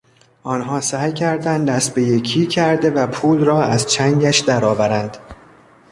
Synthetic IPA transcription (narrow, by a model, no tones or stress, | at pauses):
ʔɒːnɦɒːsæːjcʰæɾd̪ænd̪d̪æsbejecʰiːcʰæɾd̪e̞væpʰuːlrɒːæzt͡ʃʰæŋɟæʃd̪æɾɒːvæɾænd̪̥